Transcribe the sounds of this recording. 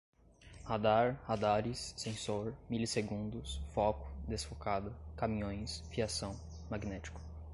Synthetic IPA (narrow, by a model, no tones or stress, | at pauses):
had̪aɾhad̪aɾisːẽsoɾmiliseɡũnd̪ʊsfɔkʊ̥d̪esfokad̪ʊkamĩɲõj̃sfiasɐ̃w̃ | maɡnɛt͡ʃi̥kʊ̥